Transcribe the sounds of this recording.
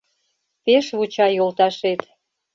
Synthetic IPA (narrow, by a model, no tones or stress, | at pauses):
peʃβut͡ɕɑjolt̪ɑʃet̪